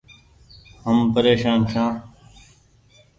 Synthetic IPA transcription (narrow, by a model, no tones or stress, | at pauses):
ɦəmpəɾeːʃaːnʃãː